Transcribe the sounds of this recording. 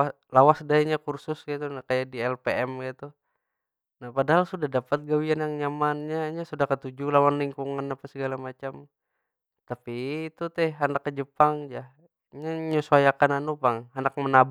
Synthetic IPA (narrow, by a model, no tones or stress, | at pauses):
lawasdaiɲakursʊsɡit̪unakajadiɛlpeɛmɡit̪u | nahpadaɦalsudahdapat̪̚ɡawianjaŋɲamanɲaɲasudahkət̪ud͡ʒulawanliŋkuŋanapasəɡalamat͡ʃam | t̪apiːt̪ut̪ɛhandakːəd͡ʒəpaŋd͡ʒa | ɲaɲusuajakananupaŋanak̚mənab